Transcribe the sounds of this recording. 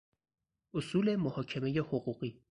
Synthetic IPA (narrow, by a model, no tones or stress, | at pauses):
ʔosuːle̞mohɒːcʰeme̞jehoɢuːɢiː